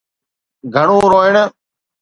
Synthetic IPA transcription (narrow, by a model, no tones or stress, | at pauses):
ɡʱəɳ̃õːɾoːɪɳ